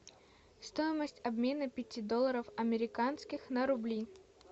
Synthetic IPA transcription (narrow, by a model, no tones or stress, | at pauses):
st̪o̞jɪməsʲtʲɐbmʲe̞nəpʲɪtʲid̪olˠːəɾəfɐmʲɪɾʲɪkanskʲɪxnəɾʊblʲi